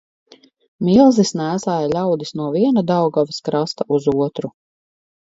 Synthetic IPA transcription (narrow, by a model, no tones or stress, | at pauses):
milˠzisnæːsaːjlʲawd̪isnuɔviɛnad̪awɡɔviskɾast̪aʔuzuɔt̪ɾu